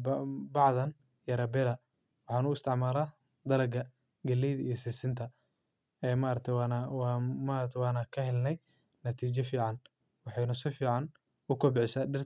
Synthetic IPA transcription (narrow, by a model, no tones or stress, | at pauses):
bɑʕðɐn | jɐɾɐbɛɾɐ | wɑħɑːnʊɪst̪ʰɪʕmaːlaː | d̪ɐlɐɡɐ | ɡɐlɛjðɐijsisɪnt̪ʰɐ | ɛːmaɾɐt̪ʰɛwnwmaɾɐt̪ʰɛwɑːnɐkʰɐhɛlnɛj | nɐt̪ʰiːt͡ʃɛfiːʕɑn | wɑħɑjnʊsɪfiːʕɑn | ʊkʰɐbɪħɪsadɪr